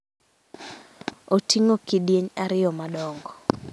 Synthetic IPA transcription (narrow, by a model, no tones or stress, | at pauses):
otiŋokidjeɲaɾɪjɔmadɔŋɡɔ